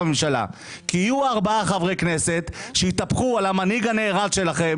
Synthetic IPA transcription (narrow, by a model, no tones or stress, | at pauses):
memʃala̰ | kiːjuaʁbaaχavʁejkne̞se̞t̪ʃeit̪apχualamaniɡane̞ːʁadʃe̞laχe̞m